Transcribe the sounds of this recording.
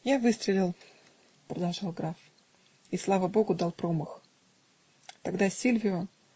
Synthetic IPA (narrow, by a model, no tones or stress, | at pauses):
javɨst̪ɾʲɪlʲɪlˠ | pɾəd̪ɐlˠʐɑlˠɡɾaf | islˠavəbo̞ɡʊd̪alˠpɾo̞məx | t̪ɐɡd̪asʲilʲvʲɪʊ